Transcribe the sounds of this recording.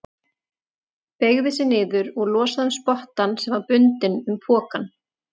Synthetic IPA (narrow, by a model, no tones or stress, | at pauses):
peɣvɪsɪnɪːðʏɾɔɣlɔːsaðɛmspɔht̪ansɛmvaɾpʏnt̪ɪnʏmpʰɔːkan